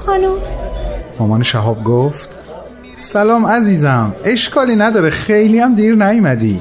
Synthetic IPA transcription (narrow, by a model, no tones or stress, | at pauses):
xɒnum | mɒːmɒːneʃæɦɒːb̚ɡoːft̪ | sælɒːmæziːzæme̞ʃkʰɒːliːnæd̪ɒːɾexejlijæmd̪iːɾnæjmæd̪iː